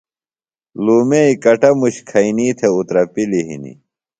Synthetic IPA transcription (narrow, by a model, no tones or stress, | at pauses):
luːmeikɐʈɐmuɕkʰɐiniːt̪ʰeut̪ɾɐpiliɦḭnḭ